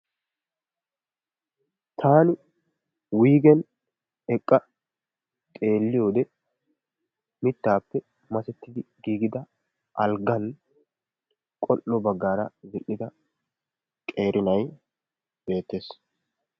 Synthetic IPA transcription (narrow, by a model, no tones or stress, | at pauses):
t̪ʰaːnɪ | wiːɡɛn | ɛkʼːɐ | tʼe̞ːlːɪjo̞ːd̪ɛ | mɪt̪ːaːpːɛ | mɐsɛt̪ːɪd̪ɪɡiːɡɪd̪ɐ | ʔɐlɡɐn | kʼɔʔːɔbɐɡːaːɾɐzɪʔːɪd̪ɐ | kʼeːɾʔɪnɐj | b̥e̞ːt̪ːe̞ːs